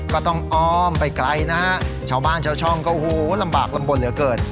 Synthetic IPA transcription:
kɔː˥˩t̪ɔ˥˩ŋʔɔː˧˩mpa˧jkla˧jna˦˥ha˦˥ʔ | t͡ɕʰaː˧˩wbaː˥˩nt͡ɕʰaː˧˩wt͡ɕʰɔ˥˩ŋkɔː˥˩huː˨˩˦la˧mbaː˨˩k̚la˧mbo˨˩nlɯ˨˩˦ɐkɤː˨˩t̪̚

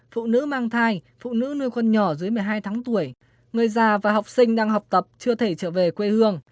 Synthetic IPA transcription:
fṵ˧˨nɨ̰˧˥maː˧ŋt̪ʰaː˧jfṵ˧˨nɨ̰˧˥nu˧jkə˧nɲɔ˧˩zɨ˨˦əjmɨ˨˩əjɦaː˧jt̪ʰaː˨˦ŋt̪u˧˩əj | ŋɨ˨˩əjzaː˨˩vaː˨˩ha˨˩wk͡p̚sï˧ŋ̟ɗaː˧ŋha˨˩wk͡p̚t̪ə˨˩p̚t͡ɕɨ˧ət̪ʰe˧˩t͡ɕə̰ː˧˨ve˨˩kwe˧hɨ˧əŋ

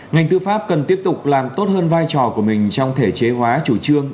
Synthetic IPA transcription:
ŋa˨˩jŋ̟t̪ɨ˧faː˦˥p̚kə˨˩nt̪i˦˥əp̚t̪ʊ˨˩k͡p̚laː˨˩mt̪o˦˥t̚həː˧nvaː˧jt͡ɕɔ˨˩ku˧˩əmï˨˩ŋ̟t͡ɕɔ˧wŋ͡mt̪ʰe˧˩t͡ɕe˨˦ɦwaː˨˦t͡ɕu˧˩t͡ɕɨ˧əŋ

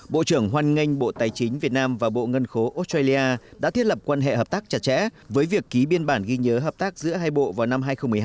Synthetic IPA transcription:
ɓo̰˧˨t͡ɕɨ˧˩əŋɦwaː˧nŋi˧jŋ̟ɓo̰˧˨t̪aː˨˩jt͡ɕï˨˦ŋ̟vi˨˩ət̚naː˧mvaː˨˩ɓo̰˧˨ŋə˧nxo˨˦ʔo˦˥stɹa˧li˧aː˧ɗa̰ː˧˥t̪ʰi˦˥ət̚lə˨˩p̚kwaː˧nɦḛ˧˨ɦəː˨˩p̚t̪aː˦˥k̚t͡ɕa˧˩t̚t͡ɕɛ̰˧˥vəː˨˦jvi˨˩əkːi˨˦ɓi˧ənɓaː˧˩nɣi˧ɲəː˨˦ɦəː˨˩p̚t̪aː˦˥k̚zɨ̰˧˥əɦaː˧jɓo̰˧˨vaː˨˩wna˧mɦaː˧jxə˧wŋ͡mmɨ˩ə˩˧

